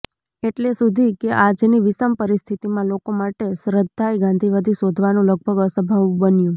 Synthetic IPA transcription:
eʈlesud̪ʱikeʔad͡ʒniʋisəmpəɾist̪ʰit̪imãlokomaʈesɾəd̪ːajɡãnd̪ʱiʋad̪ʱisod̪ʱʋanũləɡ̚bʱəɡəsəbʱaʋũbənjũ

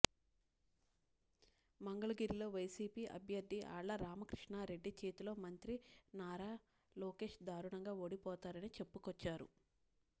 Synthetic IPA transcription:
mɐŋɡɐɭɐɡiːɾilo̞ːʋɐjsiːpiːʔɐ̰bʱjɐɾd̪ʱːiʔa̰ːɭːɐɾaːmɐkɾiʂɳaːɾe̞ɖːit͡ʃe̞ːt̪ulo̞ːmɐnt̪ɾinaːɾaː | lɔːke̞ːʂd̪aːɾuɳɐŋɡaːoːɽipɔːt̪aːɾɐnit͡ʃe̞pːukɔt͡ʃːaːɾṵ

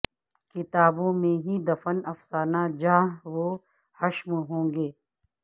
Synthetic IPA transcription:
kɪt̪aːbõːmẽɦid̪ɐfənɐfsaːnad͡ʒãːɦʋoː | hɐʃmɦõːɡeː

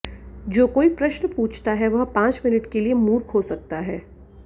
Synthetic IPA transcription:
d͡ʒoːkoːipɾɐʃnpuːt͡ʃʰt̪aɦɛʋɐɦpãːt͡ʃmɪnɪʈkeliemuːɾkʰɦosɐk̚t̪aɦɛː

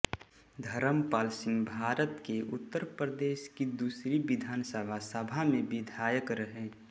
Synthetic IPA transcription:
d̪ʱəɾəmpaːlsɪ̃ŋɡbʱaːɾət̪keʔʊt̪ːəɾpɾəd̪eːʃkid̪uːsɾiʋɪd̪ʱaːnsəbʱasəbʱamẽbɪd̪ʱaːjəkɾəɦẽː

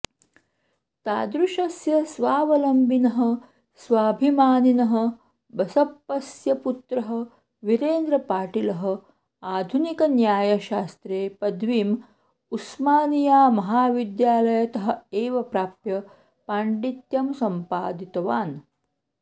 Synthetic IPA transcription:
t̪a̰ːd̪ɾuʃɐsjɐsʋaːʋɐlɐmbinɐɦɐ̆ | sʋaːbʱimaːninɐɦɐ̆ | bɐsɐpːɐsjɐput̪ɾɐɦɐ̆ | ʋiɾeːnd̪ɾɐpaːʈilɐɦɐ̆ | aːd̪ʱunikɐnjaːjɐʃaːst̪ɾeːpɐd̪ʱʋiːm | usmaːnijaːmɐɦaːʋid̪jaːlɐjɐt̪ɐɦɐ̆eːʋɐpɾaːpjɐ | paːɳɖit̪jɐmsɐmpaːd̪it̪ɐʋaːn

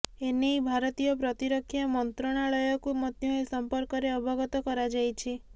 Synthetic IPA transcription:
enejbʱaɾɔt̪ijɔpɾɔt̪iɾɔkʰːjamɔnt̪ɾɔɽ̃aɭɔjɔkumɔt̪jɔesɔmpɔɾkɔɾeɔbʱɔɡɔt̪ɔkɔɾad͡ʒajt͡ʃʰi

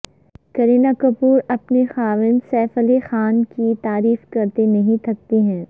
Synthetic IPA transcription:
kɐɾeːnaːkɐpuːɾɐpnexaːʋɪnsɛːfəlexaːnkit̪aːɾiːfkɐɾt̪enɐɦĩt̪ʰɐk̚t̪iɦɛ̃ː

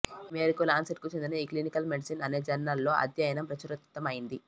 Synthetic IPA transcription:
meːɾikulaːnsɐʈ̚kut͡ʃe̞nd̪inɐiːklinikɐlmeɖisinɐne̞ːd͡ʒɐnːalːo̞ːʔɐ̰d̪jɐjɐnɐmpɾɐt͡ʃuɾut̪ːɐmɐjind̪i

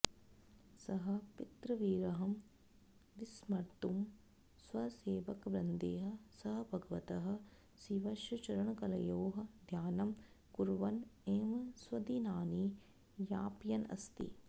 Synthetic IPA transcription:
sɐɦɐ̆pit̪ɾɐʋiːɾɐɦɐm | d̪ismɐɾt̪um | swɐseːʋɐkʋɾɐnd̪eːɦɐ̆sɐɦɐbʱɐɡɐʋɐt̪ɐɦɐ̆ | siʋɐʃɐt͡ʃɐɾɐɳɐkɐlɐ̰joːɦɐ̆d̪ʱjaːnɐm | kuɾʋɐneːmswɐd̪inaːni | jaːpjɐnɐ̰st̪ḭ

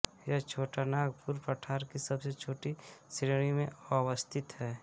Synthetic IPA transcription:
jɐɦt͡ʃʰoːʈanaːɡpuɾpɾəʈʰaːɾkisɐbset͡ʃʰoːʈisɾeɽ̃imẽawəst̪ʰɪt̪ɦɛː

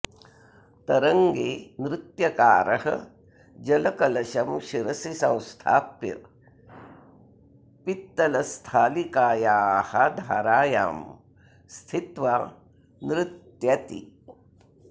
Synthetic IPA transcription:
t̪ɐɾɐŋɡeːnɾɪt̪jɐkaːɾɐɦɐ̰ | d͡ʒɐlɐkɐlɐʃɐmʃiɾɐsisɐ̃w̃st̪ʰa̰ːpḭɾ | pit̪ːɐlɐst̪ʰaːlikaːjaːhɐd̪ʱaːɾaːja̰ːm | st̪ʰit̪ʋaː | nɾɪt̪jɐt̪ḭ

